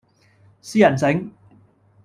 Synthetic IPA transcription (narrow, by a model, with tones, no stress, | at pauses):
siː˥jɐ˨˩nsɪ˨˥ŋ